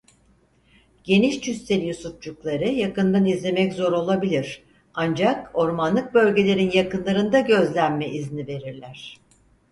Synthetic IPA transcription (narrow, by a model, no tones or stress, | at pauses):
ɟ̥e̞niʃt͡ʃʰyst̪ɛlʲjusut̪̚d͡ʒuklˠaɾɯjakɯnd̪anizlʲe̞mɛczo̞ɾo̞lˠabilʲiɾ̥ | and͡ʒako̞ɾmanlˠɯk̚bø̞lʲɟe̞lʲe̞ɾinjakɯnlˠaɾɯnd̪aɟø̞zlʲænmɛʔiznive̞ɾiɾlʲæɾ̥